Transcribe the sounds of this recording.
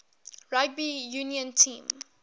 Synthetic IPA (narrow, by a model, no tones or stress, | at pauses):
ɹaɡ̚bijuniə̃ntʰĩːm